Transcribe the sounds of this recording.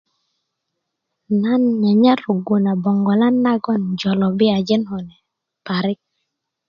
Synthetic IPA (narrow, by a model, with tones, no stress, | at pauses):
na˦nɲa˨ɲa˦ɾo˨ɡo˨na˨bɔ˨ŋɡɔ˨la˦nːa˦ɡɔ˦nd͡ʒɔ˨lɔ˨bɪ˦a˨d͡ʒɛ˦nɦɔ˨nɛ˨ | pa˨ɾɪ˦k̚